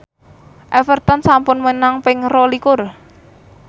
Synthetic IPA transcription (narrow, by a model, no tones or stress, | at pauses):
ʔɛfərt̪ɔnsampʊnmənaŋpɪŋrɔlikʊr